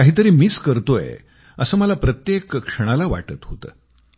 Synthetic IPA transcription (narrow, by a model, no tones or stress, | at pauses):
kaɦiːt̪əɾiːmiːskəɾt̪oḛ | əsəːməlapɾət̪jekkʂəɽ̃alaʋa̰ʈət̪ɦot̪ə̰ː